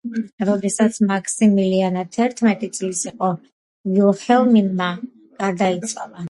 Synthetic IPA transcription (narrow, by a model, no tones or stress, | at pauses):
ɾɔd̪ɛsat̪sʰmakʰsimilianat̪ʰɛɾt̪ʰmɛt̪ʼit̪sʼlisiqʼɔ | ɡilχɛlˠminma | ɡ̥aɾd̪ait̪sʼwalˠa